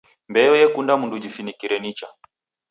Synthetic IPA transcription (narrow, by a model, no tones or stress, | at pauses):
mbɛɛjɛkundamundud͡ʒifinikiɾɛnit͡ʃa